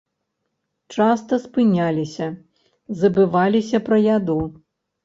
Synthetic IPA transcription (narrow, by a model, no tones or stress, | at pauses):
t͡ʂast̪ɐspɨnʲalʲisʲɐ | zɐbɨvalʲisʲɐpɾɐjad̪ɔ